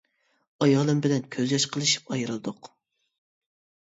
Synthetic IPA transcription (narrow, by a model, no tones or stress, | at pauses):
ɑjɑːlˠɨmbɪlɛnkʲʰøzjɛʃqʰəlˠɨʃi̥p̚ɑjɾɨlˠɨd̪ʊq